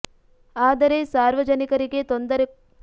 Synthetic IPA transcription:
aːd̪ɐɾesaːɾʋɐd͡ʒɐnikɐɾiɡe̞t̪ond̪ɐɾe

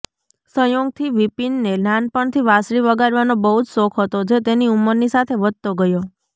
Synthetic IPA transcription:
sə̃joɡ̚t̪ʰiʋipinːelanpəɳt̪ʰiʋasɾiʋəɡaɾʋanobəɦud͡ʒsokʰɦət̪od͡ʒet̪eniuməɾnisat̪ʰeʋəd̪̚t̪oɡəjo

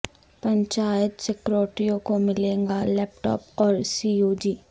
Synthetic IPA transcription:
pɐ̃ɲt͡ʃaːjət̪sɛkɾoːʈijõkomɪlẽːŋɡalɛːp̚ʈɔ̰ːpɔːɾsioːd͡ʒiː

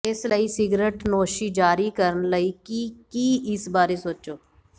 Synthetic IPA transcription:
ɪsləiːsɪɡɾeːʈnoːʃiːd͡ʒaːɾiːkəɾənləiːkikiːɪsbaːɾesoːt͡ʃoː

